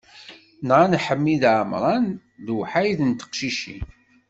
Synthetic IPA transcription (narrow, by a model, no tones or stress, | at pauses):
nʁanħəmːiðʕmɾˤɑn | ðwħajðənt̪ə̥qʃiʃḭ